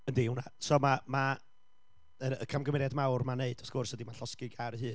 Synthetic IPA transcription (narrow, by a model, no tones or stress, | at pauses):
əndiɪwnasɔmama | əə̰kʰamɡəmɛɾjadmawrmaneɨd̥ɔθɡ̥ʊrshədimanɬɔskɨɡaɾhɨː